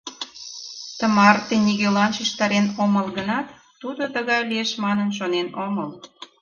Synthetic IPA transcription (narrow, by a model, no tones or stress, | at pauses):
t̪ə̆mɑrt̪eniɣelɑnʃiʃt̪ɑɾenoməlɣənɑt̪ː | ud̪ot̪əɣɑjlieʃmɑnənʃ̬onenoməl